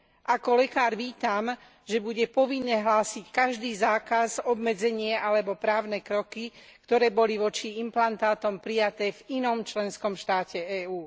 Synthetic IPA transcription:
ʔakɔlɛkaːɾʋiːt̪am | ʒɛbuɟɛpɔʋinːɛɦlaːsickaʒd̪iːzaːkazɔbmɛd͡zɛɲɪɛʔalɛbɔpɾaːʊnɛkɾɔkikt̪ɔɾɛːbɔliʋɔt͡ʃiimplant̪aːt̪ɔmpɾijat̪ɛːvinɔmt͡ʃlɛnskɔmʃt̪aːcɛɛːuː

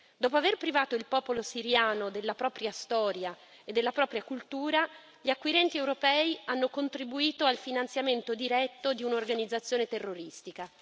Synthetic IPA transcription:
d̪ɔːpoaverpɾivaːt̪oilpɔːpolosiɾjaːnod̪elːapɾɔːpɾjast̪ɔːɾja | ed̪ːelːapɾɔːpɾjakult̪uːɾa | ʎiakːwiɾɛnt̪iɛwɾopɛːianːokont̪ɾibuiːt̪oalfinant̪sjament̪od̪iɾɛt̪ːod̪iunorɡanid̪zat̪sːjoːnet̪erːoɾist̪ika

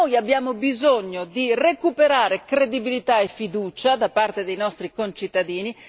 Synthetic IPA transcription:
ojabjaːmobizoɲːod̪irekupeɾaːɾekɾed̪ibilit̪aefːid̪uːt͡ʃad̪apart̪ed̪ejnɔst̪ɾikont͡ʃit̪ːad̪iːni

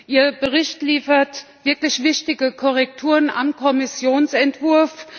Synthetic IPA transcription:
ʔiːɐb̥əʁ̞ɪçtliːfɐtv̥ɪɐklɪçv̥ɪʃtɪɡəkʰɔʁɛk̚tʰuːʁəna̰mkʰɔmɪsjoːnsɛntv̥ʊɐf

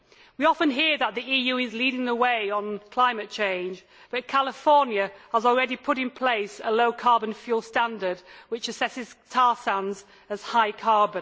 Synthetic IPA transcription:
wiɒfə̃nɦɪəðəʔ̪̚ðiiːjʉːɪzliɾɪ̃ŋðəweɪə̃nkʰl̥aɪ̃mɨt̚t͡ʃʰẽɪ̃nd͡ʒ | b̥ʌt̚kʰalɪfɔɹnjəəzl̩ˠɹɛɾipʰʊɾɪ̃npʰl̥eɪsəloʊkʰɑɹbə̃nfjuːl̥ˠstãndə˞dwɪt͡ʃɨsɛsɪz̥tʰɑːsãnz | əz̥haɪkʰɑɹbə̃

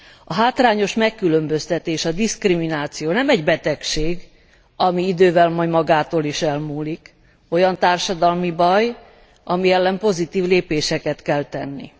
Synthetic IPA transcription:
ɒɦaːt̪raːɲo̞ʃmɛkːylø̞mbø̞st̪ɛt̪eːʃɒd̪iskriminaːt̪sijoːnɛmɛɟbɛt̪ɛkʃeːɡ | ɒmiid̪øːvɛlmɒjd̪mɒɡaːt̪oːliʃɛlmuːlik | o̞jɒnt̪aːrʃɒd̪ɒlmibɒj | ʔɒmiɛlːɛmpo̞zit̪iːvleːpeːʃɛkɛt̪kɛlt̪ɛnːḭ

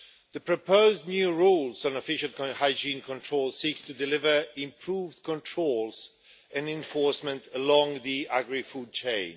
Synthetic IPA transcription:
ðɨpʰɹ̥ɨpʰoʊznjʉɹulˠz̃n̩əfɪʃəl̩ˠkhaɪd͡ʒĩnkʰə̃ntʰɹ̥oʊlˠsikstʰɨdɨlɪvə˞ɪ̃mpʰɹ̥uvdkʰə̃ntʰɹ̥olˠz | ɨ̃nɪ̃ɱfɔɹsmɨ̃ntəlɔ̃ŋðiæɡɹifud̚t͡ʃʰẽɪ̃n

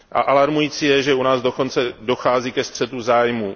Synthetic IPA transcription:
ʔa̰ʔalaɾmujiːt͡sijɛʒɛunaːzdo̞ko̞nt͡sɛdo̞xaːziːkɛst̪r̝̥ɛt̪uzaːjmu

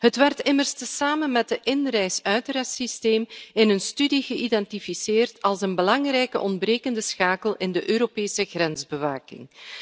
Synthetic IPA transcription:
ɦətʋɛrtɪmərstəsaːmənmɛt̚dəʔɪnrɛjsœɥtrɛsisteːmɪnənstydiɣəʔidɛntifiseːrtɑlˠsənbəlɑŋrɛjkə̰ʔɔndbreːkəndəsxaːkəlɪndəʔøːɾopeːsəɣrɛnzbəʋaːkɪ̰ŋ

